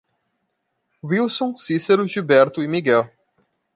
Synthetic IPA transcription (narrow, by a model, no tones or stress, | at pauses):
wilsõsisɐɾʊʒibɛɾt̪ʊimiɡɛl